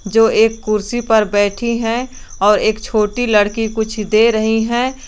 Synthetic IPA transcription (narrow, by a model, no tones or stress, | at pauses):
d͡ʒoːeːkːʊɾsipɐɾbɛːʈʰiɦɛ̃ | ɔːɾeːkt͡ʃʰoːʈilɐɽkikʊt͡ʃʰd̪eːɾɐɦiɦɛ̃ː